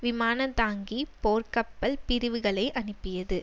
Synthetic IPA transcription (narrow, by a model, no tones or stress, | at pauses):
ʋɪmaːnɐt̪aːŋɡipoːrkɐpːɐlpɪɾɯʋɯɣɐɭɐɪʔɐnɯpːɪjɐðɯ